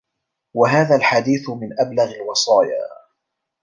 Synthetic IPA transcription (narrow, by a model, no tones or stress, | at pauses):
waɦaːðalħad̪iːθmɪnʔablaɣalwɑsˤɑːja̰ː